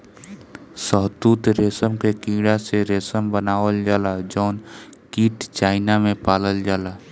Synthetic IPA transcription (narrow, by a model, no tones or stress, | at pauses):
səɦd̪uːt̪ɾeːsəmkekĩːɽaseɾeːsəmbənaːʋəld͡ʒaːlad͡ʒɔːn | kiːʈt͡ʃaːɪnamẽpaːləld͡ʒaːla